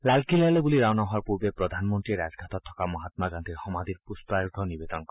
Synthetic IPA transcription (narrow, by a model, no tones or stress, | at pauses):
lalkilajlebuliɾawnaɦaɾpuɾbepɾɔd̪ʱanmɔnt̪ɾieɾad͡ʒɡʱat̪ɔɾt̪ʰɔ̥kamɔɦat̪maɡand̪ʰʱiɾhɔmad̪iɾpuspɾaɾud̪ʱɔnibed̪ɔnkɔ